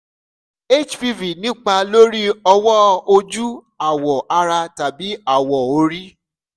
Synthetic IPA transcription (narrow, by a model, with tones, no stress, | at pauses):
e˦˨t͡ʃfi˧vi˨nĩ˦k͡pa˧lo˦ɾi˦ɔ˧wɔ˦o˧d͡ʒu˦ | a˨wɔ˨ʔa˧ɾa˧ta˨bi˨˦a˦˨wɔ˨o˧ɾi˦